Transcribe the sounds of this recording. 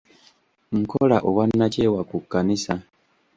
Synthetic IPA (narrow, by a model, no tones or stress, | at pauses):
ŋ̩kolaʔoβwanːace̞ːwakukːanisa